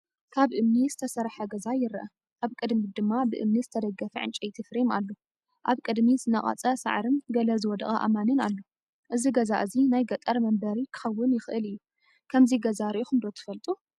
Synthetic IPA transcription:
kʰaβʔɨmnizɨt̪ʰɐsɐɾħɐɡɐzajɪɾɐʔɐ | ʔaβkʼɨd̪mid̪ɨmːabɨʔɨmnizɨt̪ʰɐd̪ɐɡːɐfɐʕɨ̰nt͡ʃʼɐjt̪ʰɨfɾima̰lːo | ʔaβkʼɨd̪mizɨnɐχʼɐ̰t͡sʼɐsa̰ʕɾɨmɡɐlɐzɨwɔd̪ɐxʼɐʔa̰manɨnalːo | ʔɨziɡɐzaʔɨzinajɡɐt̪ʼɐɾmɐmbɐɾikʰɨ̥xɐwːʊnjɪxʔɨlɨjːu | kʰɐmziɡɐzaɾʔuxɨmd̪o̞t̪ʰɨ̥fɐlt̪ʼu

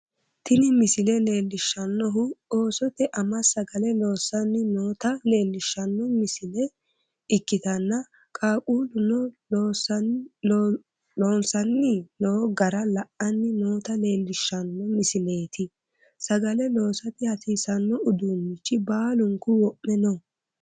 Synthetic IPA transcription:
t̪ɪnɪmɪsɪlɛle̞ːlːɪʃːɐnːɔɦʊo̞ːsɔt̪ɛʔɐmɐsɐɡɐlɛlo̞ːsɐnːɪnoːt̪ɐle̞ːlːɪʃːɐnːɔmɪsɪlɛ | ɪkːɪt̪ɐnːɐ | kʼaːʔʼuːlʊnɔloːs | loːnsɐnːɪnoːɡɐɾɐlɐʔɐnːɪnoːt̪ɐle̞ːlːɪʃːɐnːɔmɪsɪle̞ːt̪ʰɪ | sɐɡɐlɛlo̞ːsɐt̪ɪhɐsiːsɐnːɔʊd̪umːɪt͡ʃːɪbaːlʊŋkʊwɔʔːɛnɔ

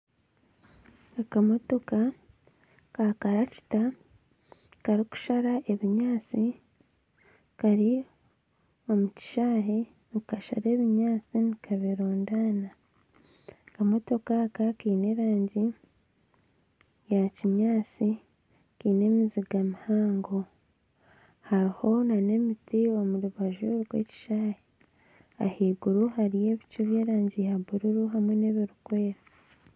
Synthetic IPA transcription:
akamo̞to̞ka | kakaɾaci̥ta | kaɾiku̥ʃaɾaʔe̞βiɲaːt͡si | kaɾi | o̞muci̥ʃaːɦe | nikaʃa̰ɾe̞ːβiɲaːt͡sinikʰaβiɾoːndaːna | kamo̞to̞kakakiːne̞ːɾaːɲɟi | jaciɲaːt͡si | kiːne̞ːmiziɡamihaːŋɡo̞ | haɾiho̞nane̞mitio̞muɾuβaʒuɡwe̞̰ːci̥ʃaːje | a̰hiːɡuɾuhaɾije̞ːβit͡ʃuβje̞ːɾaːɲɟijaβuɾuɾuɦamwe̞ne̞βiɾukwe̞ːɾa

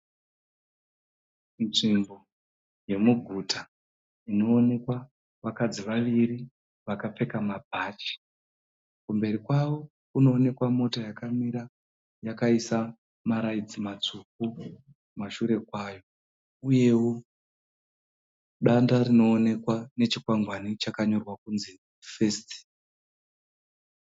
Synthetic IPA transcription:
nʐimbo | je̞muɡʱuta | ino̞ːne̞kwa | ʋakad͡ziʋaʋiri | ʋakap͡fe̞kamabʱaːt͡ʃi̥ | kumbe̞ɾikwawo̞ | kuno̞ːne̞kwamo̞tajakamiɾa | jakaisa | maɾaid͡zimat͡suk̚u | maʃuɾe̞kwaːjo̞ | uje̞wo | ɗandarino̞ːne̞kwane̞t͡ʃikwaŋɡwanit͡ʃakaɲo̞rwakunzi | fe̞sti̥

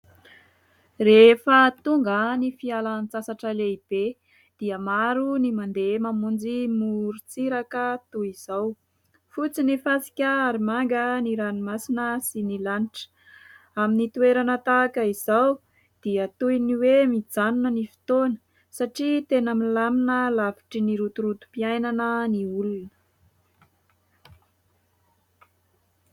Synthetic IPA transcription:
refət̪uŋɡənifialant͡sasaʈ͡ʂəleib̥e | d̪̥iəmaɾunimand̪emamund͡zimuɾut͡siɾakət̪uiz̥aw | fut͡sinifasi̥kʲəaɾimaŋɡəniɾanimasinəsinilaniʈ͡ʂə̥ | aminit̪ueɾanət̪aːkəiz̥aw | d̪̥iət̪ujniwemid͡zanunənifi̥t̪onə̥ | saʈ͡ʂit̪enəmilaminəlavi̥ʈ͡ʂiniɾut̪uɾut̪u̥piajnanəniulunə̥

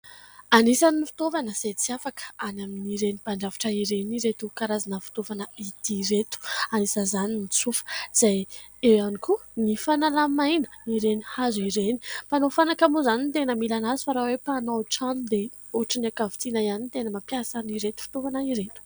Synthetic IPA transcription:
anisaniifi̥t̪ovanəz̥ajt͡siafakə̥anaminiɾenipaɳɖ͡ʐavḁʈ͡ʂəiɾeniɾet̪ukaɾazanəfi̥t̪ovanəid̪̥iɾet̪u̥anisəzaninit͡sufə̥z̥aj | ewanikunifanalamajnə̥iɾenihazuiɾeni̥pfanofanakamuzanint̪enəmilanazifaɾawepanaʈ͡ʂanud̪e | oʈ͡ʂənakavit̪inaianint̪enəmapjasaniɾet̪u̥fi̥t̪ovanaiɾet̪u̥

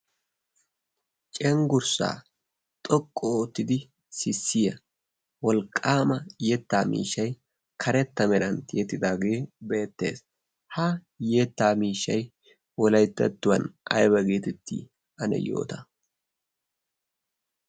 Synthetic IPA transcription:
t͡ʃʼɛŋɡʊɾsa̰ː | t̪ʼɔkʼːɔt̪ːɪd̪ɪ | sɪsːɪjɐ | wɔlkʼːaːmɐjɛt̪ːaːmḭːʃːɐj | kʰɐɾɛt̪ːɐmɛɾɐnjet̪ːɪd̪aːɡe̞ːbe̞ːt̪ːe̞̰ːs | hɐ | jet̪ːaːmiːʃːɐj | wɔlɐjt̪ːɐt̪ːʊwɐnʔɐ̰jbɐɡeːt̪ɛt̪ʰːḭ | ɐnɛ̰jo̰ːt̪ɐ

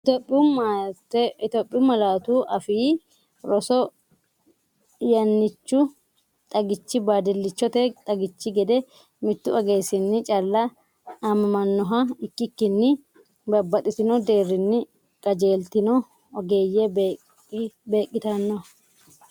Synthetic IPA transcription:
t̪pʼːɪutt̪opʼːɪʊmɐlaːt̪uːʔɐfiː | ɾɔsɔ | jɐnːɪt͡ʃːʊ | t̪ʼɐɡɪt͡ʃːɪbaːd̪ɪlːɪt͡ʃːɔt̪ɛt̪ʼɐɡɪt͡ʃːɪɡɛd̪ɛ | mɪt̪ːʊɐɡeːsɪnːɪt͡ʃʼɐlːɐː | mɐmɐnːɔɦɐɪkːɪkːɪnːɪ | bɐbːɐt̪ʼɪsɪnɔd̪e̞ːrːɪnːɪ | kʼɐd͡ʒe̞ːlt̪ɪnɔ | ɔɡe̞ːjːɛ | be̞ːkʼːɪt̪ɐnːɔɐ

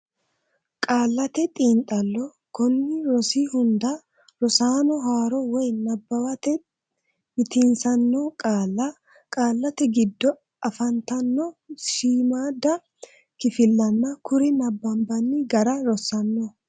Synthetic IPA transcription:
kʼaːlːɐt̪ɛt̪ʼiːnt̪ʼɐlːɔ | kɔnːɪɾɔsiːhʊnd̪ɐ | ɾɔsaːnɔɦaːɾɔwɔjnɐbːɐwɐt̪ɛ | mɪt̪insɐnːɔkʼaːlːɐ | kʼaːlːɐt̪ɛɡɪd̪ːɔ | ɐfɐnt̪ɐnːɔʃiːmaːd̪ɐ | kɪfɪlːɐnːɐkʊɾɪnɐbːɐmbɐnːɪɡɐɾɐɾɔsɐnːɔ

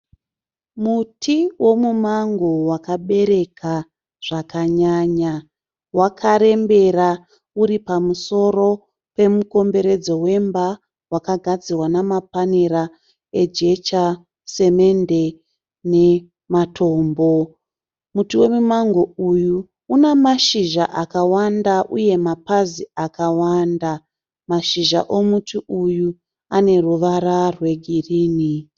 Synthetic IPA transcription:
mutʰiwo̞mumaŋɡo̞wakaɓe̞ɾe̞kʰa | ʐ̥akaɲaɲa | wakʰaɾe̞mbe̞ra | uɾipamuso̞ro̞ | pe̞muko̞mbe̞ɾe̞d͡zo̞we̞mba | wakaɡʱad͡zirwanamapaneɾa | e̞d͡ʒe̞t͡ʃa | se̞me̞nde̞ | ne̞ | matʰo̞ːmbo̞ | mutuwe̞mumaŋɡo̞uju | unemaʃiʒaʔakawandaʔuje̞mapaziakawanda | maʃiʒa̰ʔomutuʔuju | ane̞ruʋaɾarwe̞ɡʱiriːni

